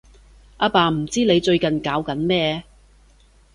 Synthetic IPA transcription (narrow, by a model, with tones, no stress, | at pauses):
ʔaː˧paː˨˧m̩˨˩t͡siː˥ne˨˧jt͡ʃɵ˧ɥkɐ˨nkaː˨˧˥wkɐ˨˥nmɛː˥